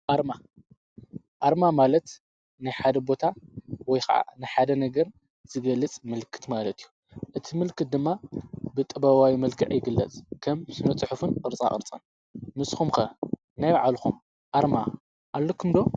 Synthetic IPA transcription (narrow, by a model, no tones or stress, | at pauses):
ʔaɾma | ʔaɾmamalɐt̪ | najħad̪ɐbo̞t̪ʰawɔjxa̰ʔa̰najħad̪ɐnɐɡɐɾ | z̥ɨɡɐlːɐt͡sʼmɨlkʰɨ̥t̪malɐt̪ʰijːu | ʔɨt̪ʰimɨlkʰɨt̪̚d̪ɨmːabɨt̪ʼɨbɐwawimɐlkʰɨʕjɪɡɨlːɐ̰t͡sʼkʰɐmɨsɨnɐt͡sʼɨħufɨnqʼɨɾt͡sʼa̰χʼɨ̰ɾt͡sʼɐ̰n | mɨsxumxɐ | najβaʕalxum | ʔaɾma | ʔalːokʰɨmd̪o̞